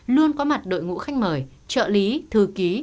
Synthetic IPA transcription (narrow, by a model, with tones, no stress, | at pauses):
lu˧ənkɔ˨˦ma˨˩t̚ɗo̰˧˨jŋṵ˧˥xa˧jŋ̟məː˨˩j | t͡ɕə̰ː˧˨li˨˦t̪ʰɨ˨˩ki˨˦